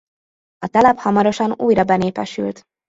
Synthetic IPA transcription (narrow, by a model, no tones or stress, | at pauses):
ɒt̪ɛlɛphɒmɒɾo̞ʃɒnṵːjɾɒbɛneːpɛʃy̰lt̪